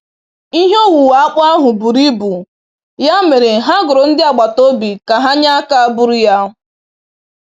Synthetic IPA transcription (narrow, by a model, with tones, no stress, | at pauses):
i˦ɦo˦wu˨wa˨a˦k͡pa˦ɦʊ˨bu˨ɾi˦bu˨ | ja˦me˨ɾe˨ɦa˦ɡʊ˨ɾo˨n̩˦dɪ˦a˨ɡ͡ba˨to˦bi˨ka˨ɦa˦ɲa˦a˦ka˦bʊ˦ɾʊ˦ja˦ɦ